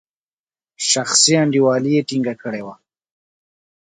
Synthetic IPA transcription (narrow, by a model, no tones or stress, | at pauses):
ʃaxsiaɳɖiwɑlijeʈiŋɡakəɽewa